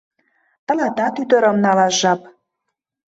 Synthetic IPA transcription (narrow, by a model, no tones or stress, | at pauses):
t̪ə̆lɑt̪ɑk̪yd̪ə̆ɾə̆mnɑlɑʃʒɑp